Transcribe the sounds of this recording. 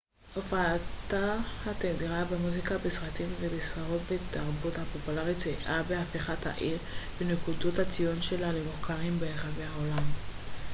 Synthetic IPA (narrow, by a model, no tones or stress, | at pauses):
ʔofaːt̪ahat̪edʁabemuzikabesʁat̪imvebesfaʁo̞tbet̪aʁbuthapopulaʁitt͡seʔabeafiχatha̰ʔiʁbenekudothat͡sijonʃe̞lalemuχkaʁimbeeχaveaolam